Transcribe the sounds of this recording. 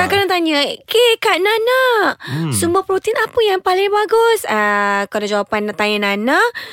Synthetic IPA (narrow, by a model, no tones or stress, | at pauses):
akadaŋt̪aɲəkekaʔnana | sumbapɾot̪inapəjaŋpalɪŋbaɡʊsakalad͡ʒawapant̪ajənana